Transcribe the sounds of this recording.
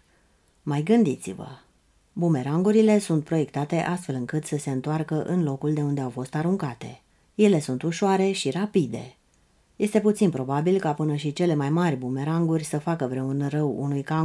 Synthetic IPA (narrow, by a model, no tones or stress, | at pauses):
majɡɨnd̪it̪sḭvə̰ | bume̞ɾaŋɡuɾile̞sunt̪̚pɾo̞je̞kt̪at̪e̞ʔast̪fe̞lɨŋkɨt̪səse̞ɨnt̪oarkəʔɨnlo̞kuld̪e̞und̪e̞awfo̞st̪aɾuŋkat̪e̞̰ | je̞le̞sunt̪uʃoaɾe̞ʃiɾapid̪e̞̰ | je̞st̪e̞put̪sinpɾo̞babilkapɨnəʃit͡ʃe̞le̞majmarʲbume̞ɾaŋɡurʲsəfakəvɾe̞unrəwṵnujka